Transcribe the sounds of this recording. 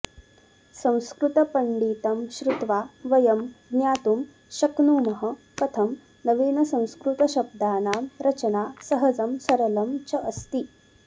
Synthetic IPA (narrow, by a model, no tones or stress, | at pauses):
sɐ̃w̃skɾut̪ɐpɐɳɖiːt̪ɐmɕɾut̪ʋaːʋɐjɐmnjaːt̪um | ɕɐknuːmɐɦɐ̆ | kɐt̪ʰɐm | nɐʋeːnɐsɐ̃w̃skɾut̪ɐɕɐb̚d̪aːnaːmɾɐt͡ɕɐnaːsɐɦɐd͡zɐmsɐɾɐlɐmt͡ɕɐʔɐst̪i